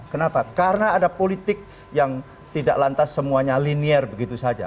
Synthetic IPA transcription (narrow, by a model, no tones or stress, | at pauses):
kənapakaɾənaːdapolit̪ɪk̚ | jaŋ | t̪idaʔlant̪asːəmuaɲaliniɛrbəɡit̪usad͡ʒa̰